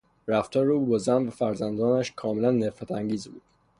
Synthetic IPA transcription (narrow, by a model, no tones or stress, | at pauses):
ɾæft̪ʰɒɾuːbɒːzænvæfæɾzænd̪ɒːnæʃkʰɒːmelænːefæt̪ʰæŋɟiːzbuːd̪̥